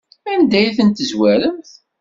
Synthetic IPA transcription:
ænd̪æjθənt̪əzwæɾəmθ

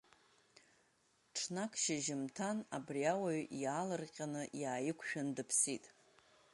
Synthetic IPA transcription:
ʈ͡ʂʰnakʰʃaʒɪmtʰanabriawaɥaːlɨrqʲʼanɨjaːjɪkʷʰʃᶣandɨpʰsitʼ

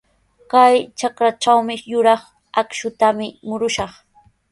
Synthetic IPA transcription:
kajt͡ʃakɾat͡ʃawmɪjʊɾɑχ | akʃʊt̪amɪmʊɾʊʃɑχ

